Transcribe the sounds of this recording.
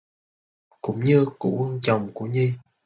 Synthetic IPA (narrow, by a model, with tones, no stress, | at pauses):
kʊ̰˧˥ŋ͡mɲɨ˧kṵ˧˥wə˧ŋt͡ɕə˨˩wŋ͡mku˧˩˦əɲi˧